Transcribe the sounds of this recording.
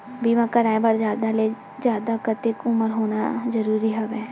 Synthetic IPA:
biːʋãkɐɾaːẽbɐɾd͡ʒjaːd̪ale | zjaːd̪akɐt̪ekʊməɾɦoːnazɐɾuːɾiɦɐʋɛː

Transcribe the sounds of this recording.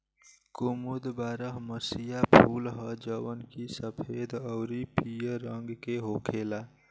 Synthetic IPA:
kumud̪baɾəɦməsijapʰulɦəd͡ʒəwənkisəpʰed̪əɾipijəɾəŋɡkeɦokʰela

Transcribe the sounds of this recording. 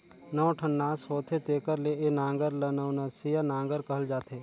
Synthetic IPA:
nɐʋʈʰənːaːshoːt̪ʰet̪eːkəɾleenãːŋɡəɾlɐnɐwnɐsijanãːŋɡəɾkɐɦld͡ʒaːt̪ʰeː

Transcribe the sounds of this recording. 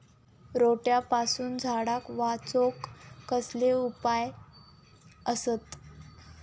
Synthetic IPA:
ɾoʈjapasuːnd͡zʱaɽakʋat͡sokːəsleupaj | əsət̪

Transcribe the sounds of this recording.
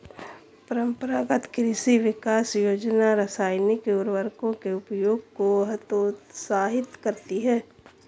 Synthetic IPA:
pəɾə̃mpəɾaɡət̪kɾɪsiʋɪkaːsjoːd͡ʒnaɾəsaːjnikeʊɾʋəɾkõkeʊpjoːɡ̚koɦt̪oːsaːɦɪt̪kɐɾt̪iɦɛː

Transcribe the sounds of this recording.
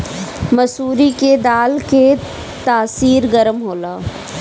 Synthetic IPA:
mɐsuːɾiked̪aːlke | t̪aːsiːɾɡɐɾəmɦoːlaː

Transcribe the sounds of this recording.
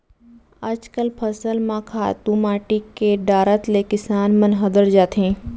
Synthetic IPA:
əd͡ʒkəlpʰɐsəlmãkʰaːt̪ũmaːʈikeɖaːɾət̪lekɪsaːnmənɦɐd̪əɾd͡ʒaːt̪ɦẽː

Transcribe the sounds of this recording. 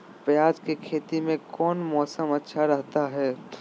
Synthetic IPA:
pjaːd͡ʒkekʰeːt̪imẽkɔːnmɔːsəmɐtːʃʰaɾɐɦt̪aɦɛː

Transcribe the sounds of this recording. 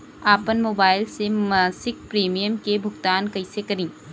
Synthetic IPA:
apɐnmobajlsemɐsik̚pɾemijəmkebʱʊkt̪ankɐjsekɐɾiŋ

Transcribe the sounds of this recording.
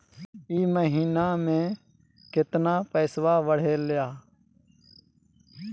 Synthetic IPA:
iːməɦiːnaːmẽː | kɪt̪naːpɛːsʋaːʋəɽ̤eːljaː

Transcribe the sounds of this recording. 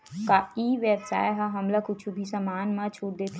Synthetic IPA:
kaiːʋəbsa̰ːjɦãɦɐmlakʊt͡ʃʰubʱisamaːnmãt͡ʃʰuʈ̚d̪eːt̪ʰ

